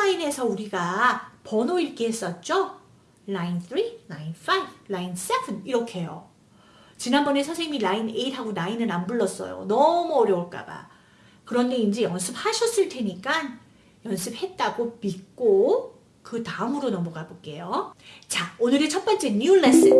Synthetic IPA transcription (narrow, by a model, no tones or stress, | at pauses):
aine̞sʰʌuɾiɡapʌnoiɾk͈ʰehes͈ʌt̚t͡ɕ͈o | lainθʰɾinainfaiblains͈ebɯniɾʌkʰe̞jo̰ | t͡ɕinanbʌne̞sʰasʰeŋiilaine̞iɾɦaɡonainɯnambɯɭːʌs͈ʌ̰jo̰nʌmuʌɾjʌuɭk͈a̰ba̰ | kɯɾʌnde̞ind͡ʑe̞jʌnsʰɯp̚haɕʰʌs͈ɯɭtʰe̞ɲik͈an | jʌnsʰɯp̚he̞t̚t͈aɡomik͈o | kɯtaɯmɯɾonʌmuɡabok͈e̞jot͡ɕaonɯɾet͡ɕʰʌt̚p͈ʌnt͡ɕʰeɲuɭes͈ɯ